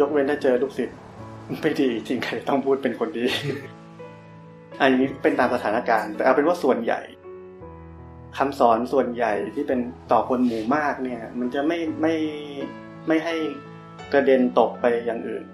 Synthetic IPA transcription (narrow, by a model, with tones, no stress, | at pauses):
jo˦˥k̚we˧nt̪ʰaː˥˩t͡ɕɤː˧luː˦˥˩k̚si˨˩t̪̚ | ma˧˩jdiː˧t͡ɕʰi˧ŋkʰa˧˩t͡ɕa˨˩t̪ɔ˥˩ŋpʰuː˥˩t̪̚pe˧nkʰo˧ndiː˨˧˦ | ʔa˧˩ja˧ŋːiː˦˥kɔ˥˩pe˧nt̪aː˧msa˧t̪ʰaː˩˦na˦˧˩kaː˧nt̪ɛː˨˩ʔa˧˩pe˧nwaː˥˩su˨˩ənja̰˨˩j | kʰa˧msɔː˩˦nsu˨˩ənja˨˩jt̪ʰiː˥˩pe˧nt̪ɔː˨˩kʰo˧nmuː˨˩maː˥˩k̚ni˥˩ɐma˧nt͡ɕa˨˩ma˥˩jma˥˩j | ma˥˩jɦa˥˩j | kɾa˧de˧nt̪o˨˩k̚pa˧jːa˨˩ŋʔɯ̰ː˨˩n